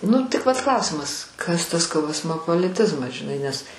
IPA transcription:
ˈnʊ tʲɪk ʋɐt ˈklˠɐʊsʲɪmɐs ˈkɐs tɐs kɐˈoːsmoːpoːlʲɪˌtʲɪzmɐs ʒʲɪˈnɐɪ nʲɛs

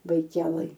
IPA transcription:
bɐɪˈkʲæːlˠɘj

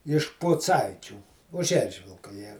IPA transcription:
ɪʃ pʊˈt͡sɐɪt͡ʃʲuː ʊʃ ˈɛrʲʒʲʋʲɪlˠkɐ ˈjiɛ

